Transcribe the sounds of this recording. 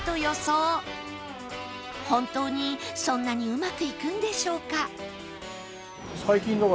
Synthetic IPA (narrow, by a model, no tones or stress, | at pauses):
t̪o̞jo̞soː | hõ̞nt̪o̞ːɲ̟isõ̞nːaɲ̟iɯ̟makɯ̟ikɯ̟̃nd̪e̞ɕo̞ːka | saikʲĩŋɡaɡ